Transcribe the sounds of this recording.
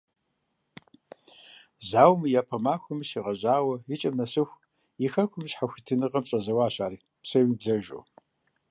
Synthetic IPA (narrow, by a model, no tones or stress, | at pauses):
zaːwmɨjaːpʰɐmaːxʷʊmɨɕiʁɐʑʼaːwɐjɪt͡ʃʼɐmɐsɨxʷ | jixɐkʷʊmɕħaxʷitʰɨnɨqʼɐmɕʼɐzɐwaːɕaːɾiː | psɐwibɮɐʒʷo̰